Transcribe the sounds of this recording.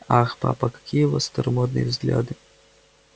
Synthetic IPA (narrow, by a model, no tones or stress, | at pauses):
axpa̰pɐkɐ̥kʲʰijɛvɔst̪ɐɾmɔd̪nɨ̰j̰wzɣlʲa̰d̪ɨ